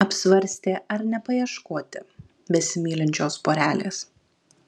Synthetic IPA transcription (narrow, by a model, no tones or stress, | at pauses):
ɐpʲsʲʋɐɾʲsʲt̪ʲeːʔɐɾnʲɛpɐjiɛʃkoːt̪ʲɪ | bʲɛsʲɪmʲiːlʲɪnʲt͡ʃʲoːspoːɾʲæːlʲḛːs